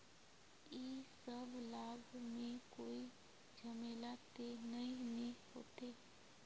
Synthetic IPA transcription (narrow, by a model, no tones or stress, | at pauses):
eːsəbʱlaːbʱmẽkoːi | d͡ʒəmeːlat̪enəĩnẽɦoːt̪eː